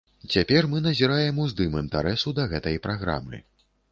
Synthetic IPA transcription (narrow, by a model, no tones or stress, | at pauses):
t͡sʲapʲɛrmɨnɐzʲiɾajɛmuzd̪ɨmɨnt̪aɾɛsud̪ɐɣɛt̪ɐjpɾaɣɾa̰mɨ̰